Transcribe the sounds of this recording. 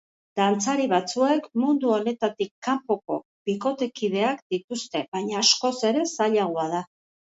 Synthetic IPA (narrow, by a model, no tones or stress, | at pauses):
d̪̥ant͡saɾiβat͡sue̞kmund̪uo̞ne̞t̪at̪ikːampo̞ko̞̰ | β̥iko̞t̪e̞kið̞e̞akd̪it̪ust̪e̞βajɲaːsko̞se̞ɾe̞saʎaɣ̞oað̞a